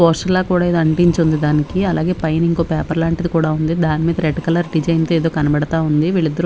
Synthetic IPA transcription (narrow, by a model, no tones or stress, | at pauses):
oːsʈɐlːaːkuːɽaːeːd̪oɐɳʈiɲt͡ʃund̪id̪aːnikiɐla̰ːɡe̞ːpɐjɐniŋko̞ːpɛːpɐɾlaːɳʈid̪ikuːɽaːund̪id̪aːnimiːd̪ɐɾeɖkɐlɐɾɖid͡ʒɐjnt̪oeːd̪o̞ːkɐnɐbɛɽɐt̪aːund̪iʋiːɭid̪ːɐɾ